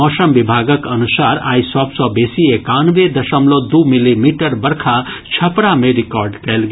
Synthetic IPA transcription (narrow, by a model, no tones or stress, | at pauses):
ɔːsəmbibʱaːɡəkənusaːɾa̰ːisɔbsɔbeːsiekanʋed̪ɐʃəmlod̪umilimiʈəɾbəɾkʰa | t͡ʃʰɐpɾamẽɾɪkɔːɾɖkɛlɡe